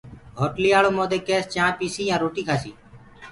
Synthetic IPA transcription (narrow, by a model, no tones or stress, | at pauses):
ɦoːʈliːaːloːmoːd̪eːkeːst͡ʃãːpiːsiːjãːɾoːʈiːkʰaːsiː